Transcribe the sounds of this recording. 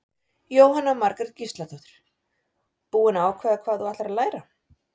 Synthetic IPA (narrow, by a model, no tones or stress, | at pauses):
joːwɦanːamaɾkaɾcist̪laθɔt̪ɪɾ̥ | puːɪnaːwkʰvɛːðakʰvaːðuaht̪laɾaðlaːjɾa